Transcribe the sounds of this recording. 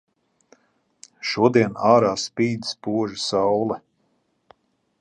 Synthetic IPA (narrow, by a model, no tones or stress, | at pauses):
ʃuɔd̪iɛnaːɾaːspiːd̪i̥spuɔʒisawlˠɛ